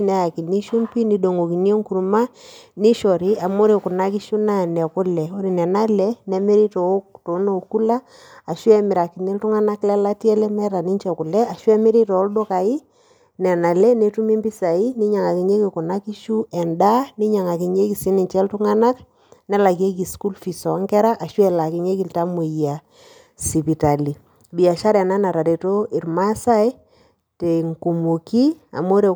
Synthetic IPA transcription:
nɛ˨˦a˨ki˨ni˦ʃu˦mpi˦ni˨do˨ŋo˨ki˨njo˦ŋku˨ɾu˨ma˦ni˦ʃɔ˨ɾi˦a˨mo˦ɾi˨kʊ˨na˦ki˦ʃu˦na˦˨nɛ˨kʊ˦lɛ˨o˦ɾi˨nɛ˨na˦lɛ˦nɛ˨me˦ɾi˦to˨o˦kto˨˦no˨ku˦laː˦˨ | ʃu˦ɛ˦mɪ˨ɾa˨ki˨ne˦ltʊ˦ŋa˦na˦klɛ˦la˦tjɛ˦lɛ˦mɛ˦ɾa˨ni˦ɲt͡ʃɛ˨kʊ˨lɛ˦a˨ʃu˦ɛ˦mɪ˦ɾi˦tɔ˨o˦ldo˦ka˨i˦ | nɛ˨na˨lɛ˦ne˨˦tu˦mi˦mbi˦sa˨i˦ni˦ɲa˨ŋa˨ki˨ɲe˦ki˨ku˨na˦ki˦ʃu˦ɛ˨nda˦ni˦ɲa˨ŋa˨ki˨ɲe˦ki˨si˦ni˨ɲt͡ʃɛ˦ltu˦ŋa˦na˦k | nɛ˦la˨ke˦k̬i˨sku˦lfi˨sɔ˨˦ŋkɛ˦ɾa˦ʔa˨ʃwɛ˨la˨ki˨ɲe˦ki˨lta˦mu˨ja˨ | si˨pi˨ta˨li˨ | bi˨a˨ʃa˦ɾɛ˨na˦na˨ɾa˨ɾe˨to˦i˨rma˦sa˦i˦ | te˨ŋku˨mu˨ki˦a̰˨mo˦ɾe˨

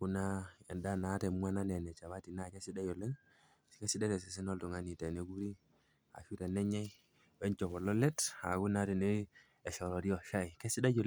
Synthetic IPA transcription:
ku˦na˦e˨nda˦na˨˦te˨mu˦a˦na˦ne˨ne˨t͡ʃa˨βa˦ti˨na˦˨ke˦si˦da˦jo˨lːe˦ŋ˨ | ke˦si˦de˦ɾe˨si˨s̬i˦no˦ltu˨ŋa˨ni˨te˨ne˨ɡu˦ɾi˦ | a̰˨fi˦ɾe˨ne˦ɲa˦ | we˦nt͡ʃo˨βo˨lo˦le˦ta̰˨ɡu˦na˦ti˨ne˦ | e˨so˨ɾo˨di˦o˨ʃa˦jke˦si˦da˦ɟo˨l

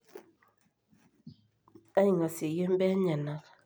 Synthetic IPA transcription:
a˦ɲi˨ŋa˨se˨je˦m̩˦bɛ˦ɲa˨na˨k

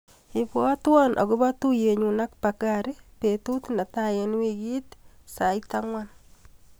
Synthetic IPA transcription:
i˨pɔ˦a˦twɔ˦nʔa̰˨ɣʊ˦ba˦tu˦je˨ɲu˨na˦kpakaɾe˦pe˨tu˦tna˨tajen˦wiɡi˦tsa˨ita˦ŋwan

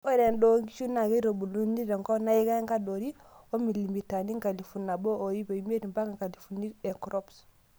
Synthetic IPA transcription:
o˦ɾe˨ndo˦ŋɡi˦ʃu˦na˨ɡe˦ɾo˨bu˨lu˦ni˦ɾe˨ŋko˦na˦ji˦ɡa˦ŋka˦do˨ɾi˦o˦mi˨li˨mi˨ta˨ni˦ŋka˨li˨fu˨nːa˨bo˦ʔo˨ji˦be˨i˦m˦e˦di˨mba˦ka˨ŋka˨li˨fu˨ni˦ɾe˨kɾo˦ps

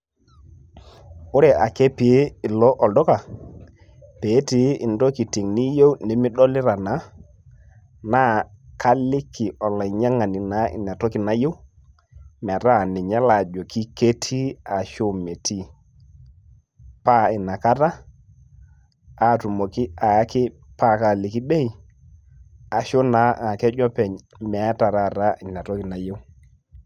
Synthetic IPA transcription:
ʊ˦ɾɛ˨a˨ke˦pɪ˨e˦ɪ˨lɔ˦ʔɔ˨ldɔ˦ka˨ | pe˨˦tɪ˨˦ɪ˨ndɔ˦ki˨ti˨ŋnɪ˦jo˦wnɪ˨˦mɪ˦ɗɔ˦lɪ˦ɾa˨na˨˦ | na˦kʰa˦lɪ˦kɪ˨ʔɔ˨la˨ɲa˦ŋa˨nɪ˨na˨˦ɪ̰˨na˨tɔ˦kɪ˨na˨˦je˦w | m˨ɛ˨ta˦˨nɪ˨ɲa˦la˨d͡ʒo˨kɪ˦ke˦tʰi˦a˨ʃo˦me˨tʰi˦ | pa˦ɪ˨na˨ka˦ta˦˨ | tu˨mo˨kɪ˦a˨ja˦kɪ˦ | pa˦˨ka˨lɪ˨kɪ˦ɓɛ˦i˨ | a˨ʃo˦na˨˦a˨kɛ˦d͡ʒɔ˦pɛ˨ɲ | mɛ˨˦ta˨ɾa˦˨ɾa˦ɪ˨n˨a˨tɔ˦kɪ˨na˨je˦w

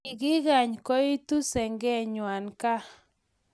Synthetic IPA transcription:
ɪ˨ɡɪ˦ɡa˨ɲkɔ˦i˦t̪u˦sɛ˨ŋɡɛ˦˨ɲwa˨nka˦

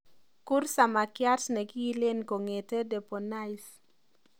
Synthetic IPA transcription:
ku˦rsa˨ma˨kja˦rsne˨ɡi˦i˦le˦nko˨ŋe˨te˦dɛ˨po˨na˦js

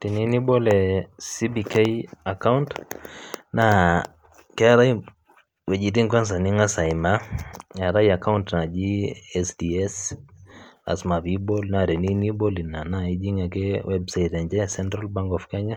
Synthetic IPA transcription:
ti˨ni˦ni˦bɔ˦lɛ˨si˦bi˨ke˦ja˨ka˦wnt | na˦ | kɛ˦a˦ɾa˦j | wɛ˨d͡ʒi˨di˦ŋkwa˦ns̬a˨ni˦ŋa˦sa˨ima˦a˨ɾa˦ja˨ka˦untna˨d͡ʒi˦ɛsdi˨ɛs | a̰˨sma˨bi˦bɔ˦lna˨ɾɛ˨ni˦ni˦bɔ˦li˨na˨na˦i˦d͡ʒi˦ŋa˨kɛ˦wɛ˦bsajtɛ˨ɲd͡ʒɛ˦sɛ˦ntɾa˦lba˦ŋɡɔ˨fkɛ˦ɲa˦

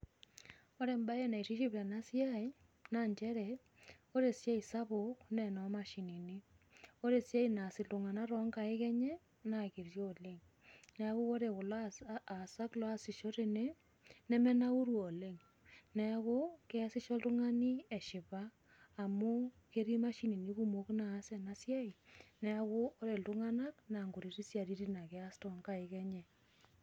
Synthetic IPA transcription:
o˦ɾe˨mba˦e˦˨na˨i˨ti˦ʃi˦plɛ˨na˦sja˦j | na˦˨ɲt͡ʃɛ˦ɾɛ˨ | o˦ɾe˨sja˦i˨sa˦βʊ˨knɛ˨nɔ˨ma˦ʃi˨ni˨ni˦ | o˦ɾe˨sja˦ina˨sɪ˨ltu˨ŋa˨na˦ɾɔ˦ŋɡa˨e˦kɛ˦ɲɛ˦ | na˨ki˨rjoː˦˨le˦ŋ | nɛ˨ɣʊ˦o˦ɾe˨kʊ˨laa˨sa˦klɔ˦a˦sɪ˨ʃo˦ɾe˦ne˦ | nɛ˦mɛ˦na˦u˦ɾwɔː˨le˦ŋ | nɛ˦a˦ko˦kɛ˦a˦sɪ˦ʃɔ˦ltʊ˦ŋa˦ni˦ɛ˨ʃɪ˨paː˦˨ | mu˦ | ke˦ɾi˦ma˦ʃi˦ni˨ni˦ku˦mo˦knaː˨˦sɛ˨na˦sjɛ˦i˨nɛ˦a˦ko˦ɔ˦ɾe˨ltʊ˦ŋa˦na˦k̚na˨ŋɡu˨ɾi˨ɾi˦sja˨ɾi˦ɾi˦na˨kɛ˦a˦stɔ˨ŋɡa˨ɪ˨kɛ˦ɲɛ˨

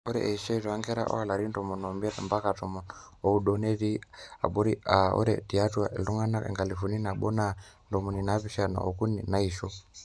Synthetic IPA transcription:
ɔ˦ɾɛ̰ʔɛiʃɔ˦itɔ˨a˦ŋɡɛ˦ɾa̰˦ʔɔ̰˦a˨la˨ɾi˦ndɔ˨mu˨nɔ˨mbɛ˦ɾmba˦ka˨tɔ˨mɔnɔ˨u˦ɗɔ˨nɛ˦ɾi˦a̰˨ɓɔ˦ɾi˦aɔ̰˦ɾɛ̰˨ti˨a˦twa˨ɛ˨lu˦ŋa˦na˦ɛ̰˨ŋɡa˨li˨fu˨ni˦na˨ɓɔ˦na˦ndɔ˨mu˨ni˨naβi˦ʃa˨na̰˨ɔ˨ku˦ni˨na˦i˨ʃɔ˦

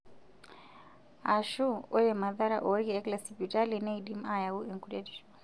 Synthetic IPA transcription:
a˨ʃu˦ɔ˦jɛ˨ma˨ða˦ɾa̰˦ʔo˦ɣɛɛ˦kʼla˨sipi˨tʼa˦lina˦idi˦m˦a˦ja˨u˦ɛ˨ŋkude˦dɔ

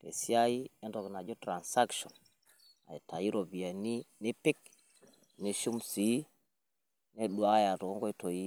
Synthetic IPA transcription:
kɛ̰˨si˦a˦i˦ɛ˦ndɔ˨kna˨d͡ʒɔ˦tɾa˨nsa˦kʃɔ˨n | a̰˨i˨ta˨ji˦ɾɔ˨bi˨a˨ni˦ne˦pi˦k | ni˦ʃu˦msi˨˦ | nɛ˦ɗwa˦ja˨tɔ˨ɔ˦ŋɡɔ˦i˦tɔ˨ji˦

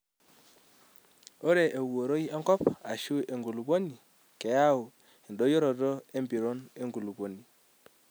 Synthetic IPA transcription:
o˦ɾe˨ʔe˨wo˨ɾo˦i˦a˦ŋɡɔ˦pa˨ʃu˦ʔe˨ŋɡu˨lu˨ko˦ni˨ | kɛ˨ja˦u˨ | e˨ndo˦jo˦ɾɔ˨tɔ˦e˦mbi˨ɾo˦ne˦ŋɡu˨lu˨bo˨ni˨

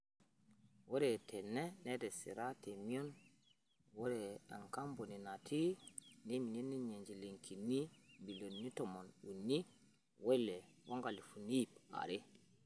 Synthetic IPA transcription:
wo˦ɾɛtʰɛnːɛnɛdɛsḭ˨ɾa˦temi˦o˦n | wo˦ɾɛa̰˨ŋka˦mbo˨ni˨na˨tʰi˦nemi˨ni˦nːi˦ɲe˨ɲd͡ʒi˨leŋkʰi˨nːi˦mbi˨lo˨nːi˦tɔmo˨nu˨nːi˦ | wɔ˦lːɛ | wa˦ŋɡa˨lifu˨ni˦pa̰ɾe˦

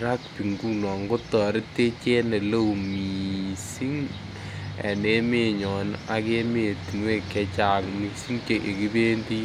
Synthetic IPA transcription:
ɾa˦k̚pi˨ŋɡu˦nɔ˨ŋɡo˦tɔ˨ɾɪ˦te˦t͡ʃe˦ne˨lo˦wmi˨si˦ŋ | ɛ̰˨ne˦me˦˨ɲɔ˨na˦ke˦me˨ti˨nwe˦kːɛ˦t͡ʃa˨ŋmi˨si˦ŋt͡ʃe˨ʔe˨ki˦be˦ndi˦

